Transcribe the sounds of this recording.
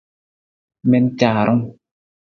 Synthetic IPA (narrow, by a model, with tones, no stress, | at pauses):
mɛ˦nt͡ʃaː˨ɾɔ˦ŋ